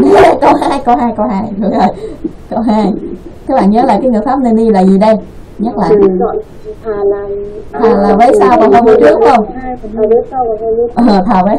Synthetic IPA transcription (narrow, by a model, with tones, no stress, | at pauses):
n˨˦kə˧whaː˧jkə˧wɦaː˧jkə˧wɦaː˧jɗɨ˨˩ək̚zo˨˩j | kə˧wɦaː˧jt̪ʰa˨˦˥ɓa̰ː˧˨nɲəː˨˦la̰ː˨˩kaː˨˦ŋɨ˨˩əjfaː˦˥p̚ne˧nɗi˧laː˨˩zi˨˩ɗə˧j | ɲə˦˥t̚la̰ː˨˩˧ | a˨˩lːt̪ʰaː˨˩laː˨˩vəː˨˦jsaː˧wkɔ˧˩˦hmə˨˩t͡ɕɨ˦˥ək̚hə˧wŋ͡mə˨˦sa˧wʔəː˨˩t̪ʰaː˨˩vəː˨˦